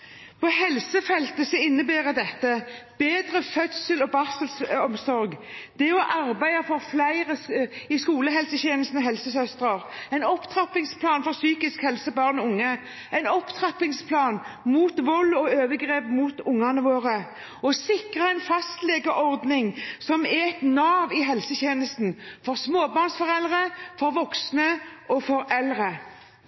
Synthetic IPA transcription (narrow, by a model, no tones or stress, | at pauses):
pʰɔhɛlsəfɛlt̪əsɔɪnːəbæːʁəd̪ɛt̪ːəb̥eːd̪ɾəfœt̪səlɔbɑsəlsɔmsɔɾɡd̪̥ɛɔʔɑɾbæɪɑfɔɾflæɪʁəɪskuːləɦɛlsəçeːnəl̩st̪nɔɦɛlsəsœst̪ʁəʁæɪnɔpt̪ʰʁɑpɪŋspʰlɑːnfɔʁsyːkɪskhɛlsəbɑʁnɔʊŋːə | æɪnɔpt̪ʰʁɑpɪŋspʰlɑːnmuːt̪ʋɔlɔøːʋəɡʁeːpmuːt̪ʊŋːɑnəʋoːʁə | ɔsɪkʁɑæɪnfɑst̪leːɡəʔɔʁd̪nɪŋsɔmɛɛt̪nɑːʋɪɦɛlsəçeːnəst̪nfɔʁsmoːbɑːʁnsfɔʁɛld̪ʁəfɔɾʋɔksnəʔɔfɔɾɛlʁə